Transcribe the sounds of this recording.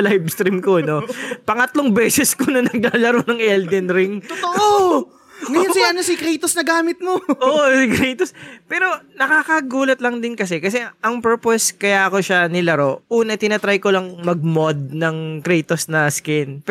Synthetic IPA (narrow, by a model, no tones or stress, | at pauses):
lajbst̪ɾimkono̞pɐŋɐt̪loŋbɛːsɛskonɐnɐɡ̚laːlɐɾonɐŋʔɛld̪ɛnɾɪŋt̪oʔo | nsɐnosɪkɾɛjt̪osnɐɡaːmɪt̪̚moʔoːʔosɪkɾɛjt̪ospɛːɾo̞nɐkakɐɡuːlɐt̪lɐŋd̪ɪnkɐs̬ɛkɐs̬ɛɐŋpɛɹposkɐjaʔɐkoʃanɪlɐɾo̞ʔuːnɐʔt̪ɪnɐt̪ɾajkolɐŋmɐɡ̚mod̪̚nɐŋkɾɛjt̪osnɐskɪnp